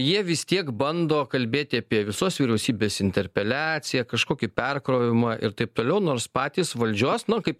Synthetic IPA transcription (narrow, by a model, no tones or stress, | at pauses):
jiɛʋʲɪst̪ʲiɛkbɐnd̪oːkɐlʲbʲeːt̪ʲɪɐpʲiɛʋʲɪsoːsʋʲiːɾʲɛʊsʲiːbʲeːsɪnʲt̪ʲɛɾʲpʲɛlʲæːsʲɪjɛkɐʃkoːkʲɪpʲɛrkɾoːʋʲɪmɑʔɪ̰ɾt̪ɐɪp̚t̪oːlʲɛʊnoːɾspɑːt̪ʲiːsʋɐlʲd͡ʒʲuɔsnʊkɐɪp